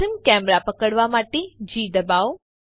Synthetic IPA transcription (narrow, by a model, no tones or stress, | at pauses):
əmkɛmɾapəkəɽʋamaʈed͡ʒiːd̪əbao